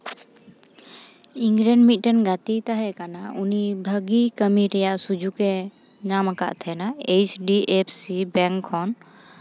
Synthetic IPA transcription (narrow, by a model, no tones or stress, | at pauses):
iŋɡlɛɳɖmit̪̚ˀʈənɡat̪it̪aɦɛkanaunibʱəɡikəmiɾɛjaʔsud͡ʒʱukɛ | namaka̰ʔt̪ʰɛnaet͡ʃɖiepʰsibɛŋkʰːɔn